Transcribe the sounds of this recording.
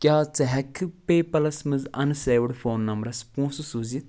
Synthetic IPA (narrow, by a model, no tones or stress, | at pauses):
kʲjaːt͡sɐɦɛkʰːɨpeːpɐlɐsmɨzɐnseːʋɖfoːnːɐmbɾɐspũːsusuːzit̪